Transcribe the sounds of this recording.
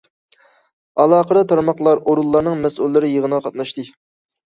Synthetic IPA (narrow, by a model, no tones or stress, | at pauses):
ɑlˠɑːqəd̪ɑt̪ʰɑɾmɑχlˠɑɾoɾulˠːɑɾnɨŋmɛsulːɪɾɪjəʁənəʁɑqʰɑt̪̚nɑʃt̪ɨ